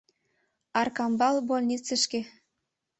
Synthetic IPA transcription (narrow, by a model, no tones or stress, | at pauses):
ɑrkɑmbɑlbolʲnʲit͡sɘ̆ʃke